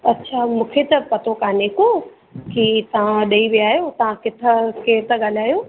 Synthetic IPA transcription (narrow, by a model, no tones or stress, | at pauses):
ɐtːɕʰaːmũːkʰet̪ɐpɐt̪okaːneko | kit̪ɐʋ̤ãɗɐiʋiaːjot̪ɐʋ̤ãkɪt̪ʰə̆kʰet̪ɐɠaːlaːjoː